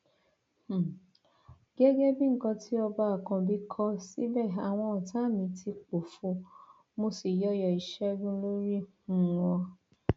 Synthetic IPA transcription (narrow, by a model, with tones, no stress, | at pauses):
h̩˦˨ | ɡ̥ɛ˦ɡɛ˦bĩ˦ŋ̩˦kã˧tʰi˦ɔ˧ba˧a˨kã˧bi˧kʰɔ˧˦si˦bɛ˦˨a˨w̃ɔ̃˧ɔ˨tʰa˨˦˨mĩ˨˧tʰi˧k͡po˨fo˧˦ | mo˧si˨jɔ˧˦jɔ˨i˨ʃɛ˦ɡũ˦lo˦ɾi˦ | ũ˧˨wɔ̃˧